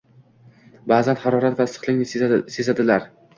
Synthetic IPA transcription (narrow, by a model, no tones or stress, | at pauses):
baːzanhaɾɒɾat̪vaɪsɨ̥χlˠɪŋnɪsezad̪ɪlaɾ